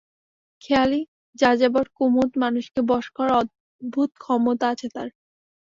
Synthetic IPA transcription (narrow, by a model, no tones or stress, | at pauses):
kʰɛali | d͡ʑad͡ʑabɔɾkumut̪manuʃkebɔʃkɔɾɔd̪̚ | bʱut̪kʰɔmot̪aat͡ɕʰet̪a̰ɾ